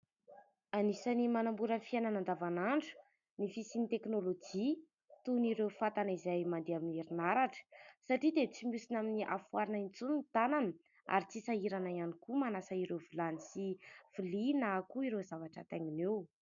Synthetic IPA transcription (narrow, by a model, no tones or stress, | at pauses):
anisanimanambuɾənfiananand̪avanaɳɖ͡ʐu̥ | nifisinit̪eknolod͡ʒi | t̪uniɾewfat̪anizajmand̪eamineɾinaɾaʈ͡ʂə̥saʈ͡ʂid̪et͡simusinaminiʔa̰fuaɾinaint͡sunt̪ananə | a̰ɾit͡sisaiɾanaianikumanasaiɾevilanisiv̥ilinakuiɾezavaʈ͡ʂə̰t̪aŋinew